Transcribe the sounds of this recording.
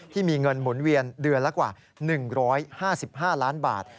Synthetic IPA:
t̪ʰiː˥˩miː˧ŋɤ˧nmu˩˦nwi˧əndɯ˧ənla˦˥kwaː˨˩ | nɯ˨˩ŋɾɔː˦˥jhaː˥˩si˨˩p̚ɦaː˥˩laː˦˥nba̰ː˨˩t̪̚

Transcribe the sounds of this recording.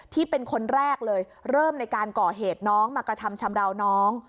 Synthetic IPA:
t̪ʰiː˥˩pe˧nkʰo˧nɾɛː˥˩k̚lɤː˧j | ɾɤː˥˩mna˧jkaː˧nkɔː˨˩ɦeː˨˩t̪̚nɔː˦˥ŋmaː˧kɾa˧t̪ʰa˧mt͡ɕʰa˧mɾa˧wnɔː˦˥ŋ

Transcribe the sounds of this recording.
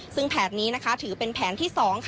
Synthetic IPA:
sɯ˥˩ŋpʰɛː˨˩t̪̚niː˦˥na˦˥kʰa˦˥t̪ʰɯː˩˦pe˧npʰɛː˩˦nt̪ʰiː˥˩sɔː˩˦ŋkʰ

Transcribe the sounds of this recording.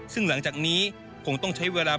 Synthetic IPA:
sɯ˥˩ŋla˩˦ŋt͡ɕaː˨˩k̚niː˦˥ | kʰo˧ŋt̪ɔ˥˩ŋt͡ɕʰa˦˥jweː˧laː˧

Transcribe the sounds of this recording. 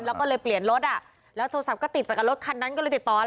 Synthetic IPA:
nlɛː˦˥kɔː˥˩lɤː˧jpli˨˩ənlo˦˥t̪̚ʔa˨˩ | lɛː˦˥wt̪ʰoː˧sa˨˩p̚kɔː˥˩t̪i˨˩pa˨˩jka˨˩lo˦˥t̪̚kʰa˧nːa˦˥nkɔː˥˩˧jt̪i˨˩t̪ːɔː˨˩˧

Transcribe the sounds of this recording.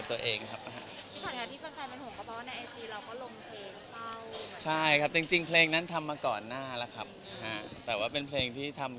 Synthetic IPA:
p̚t̪u˧ɐʔeː˧ŋkʰa˦˥p̚na˧ɦa̰˦˥ʔʰiː˦˥t̪ʰaː˨˩kʰaː˧˩t̪ʰiː˥˩a˧nfaː˧mpe˧nho˨˩˦ka˧pʰɔː˦˥na˧jʔa˧t͡ɕiː˧ɾa˧wkɔː˥˩lo˧mpʰleː˧ŋsʰa˥˩wt͡ɕʰa˥˩jkʰa˦˥p̚t͡ɕi˧ŋt͡ɕi˧ŋpʰleː˧ŋna˦˥nt̪ʰa˧mːaː˧kɔː˨˩nːaː˥˩la˦˥kʰa˦˥p̚na˧ɦa˦˥t̪ɛː˨˩waː˥˩pe˧npʰleː˧ŋt̪ʰiː˥˩t̪ʰa˧m

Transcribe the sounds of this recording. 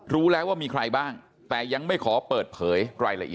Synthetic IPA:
ɾuː˦˥lɛː˦˥waː˥˩miː˧kʰɾa˧jbaː˥˩ŋ | t̪ɛː˨˩ja˧ŋma˥˩jkʰɔː˩˦pɤː˨˩t̪̚pʰɤː˩˦jɾaː˧jla̰˧ʔi˨˩

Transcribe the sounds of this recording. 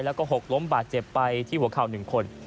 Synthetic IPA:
jlɛː˦˥wkɔː˥˩ɦo˨˩k̚lo˦˥mbaː˨˩t̪̚t͡ɕe˨˩pːa˧jt̪ʰiː˥˩u˩˦ɐkʰaː˨˩wnɯ˨˩ŋkʰo˧n

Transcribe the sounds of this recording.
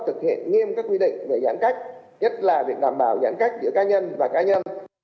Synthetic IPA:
t̪ʰɨ˨˩k̚hḭ˧˨ənŋi˧əmkaː˦˥kːwi˧ɗḭ̈˧˨ŋ̟ve˧˩zaː˨˦nka˦˥jk̟̚ | ɲə˦˥t̚laː˨˩vi˨˩ək̚ɗaː˧˩mɓaː˧˩wzaː˨˦nxa˦˥jk̟̚zɨ̰˧˥əkaː˧ɲə˧nvaː˨˩kaː˧ɲə˧n

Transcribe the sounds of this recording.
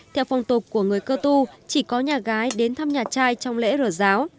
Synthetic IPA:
t̪ʰɛ˧wfɔ˨˧˩wŋ͡mt̪u˨˩t̚kːu˧˩əŋɨ˨˩əjkəː˧t̪u˧t͡ɕi˧˩kɔ˨˦ɲaː˨˩ɣaː˨˦jɗe˨˦nt̪ʰa˧mɲaː˨˩t͡ɕaː˧jt͡ɕɔ˧wŋ͡mlḛ˧˥zəː˧˩zaː˨˦w

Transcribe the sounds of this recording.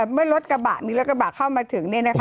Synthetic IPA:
mɯ˥˩ɐɾo˦˥t̪̚ka˧ba̰ː˨˩tmiː˧ɾo˦t̪̚k̚a˧baː˨˩kʰːa˥˩wmaː˧t̪ʰɯ˩˦ŋni˥˩əna˦˥kʰ

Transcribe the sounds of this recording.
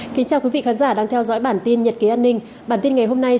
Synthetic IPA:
kï˨˦ŋ̟t͡ɕaː˧wkwi˨˦vḭ˧˨xaː˨˦nzaː˧˩ɗaː˧ŋt̪ʰɛ˧wzɔ̰ː˧˥jɓaː˧˩nt̪i˧nɲə˨˩t̚ki˨˦ʔaː˧nːï˧ŋ̟ | ɓaː˧˩nt̪i˧nŋa˨˩jɦo˧mna˧j

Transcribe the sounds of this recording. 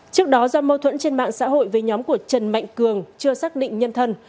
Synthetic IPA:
t͡ɕɨ˦˥ək̚ɗɔ˨˦zɔ˧mə˧wt̪ʰwə̰˧˥nt͡ɕe˧nma̰ː˧˨ŋsa̰ː˧˥ɦo̰˧˨jve˨˩ɲɔ˨˦mku˧˩ət͡ɕə˨˩nma̰˧˨jŋ̟kɨ˨˩əŋt͡ɕɨ˧əsaː˦˥k̚ɗḭ̈˧˨ŋ̟ɲə˧nt̪ʰə˧n

